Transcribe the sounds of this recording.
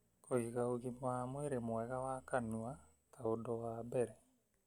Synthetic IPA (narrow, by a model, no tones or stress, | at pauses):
koɣiɣaoɣimamweɾemwɛɣawakanua | tʰaodɔwabɛɾɛ